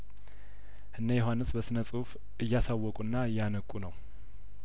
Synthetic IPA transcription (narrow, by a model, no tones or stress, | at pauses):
ʔɨnːəjohanːɨsbəsɨnəsʼuuf | ɨjːasawːɔkʼunːaɨjːanəkʼːunəw